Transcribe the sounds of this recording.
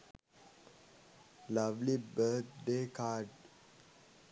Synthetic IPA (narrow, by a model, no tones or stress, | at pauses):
lɐʋlibəːt̪̚ɖeːkaːɖ